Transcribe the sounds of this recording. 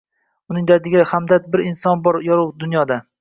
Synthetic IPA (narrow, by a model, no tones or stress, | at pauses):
ʊnɪŋd̪ad̪ɪɡʲɪhamd̪at̪̚bɪɾɪnsɒnbɒɾjɒɾʊwd̪ʊnjɒd̪a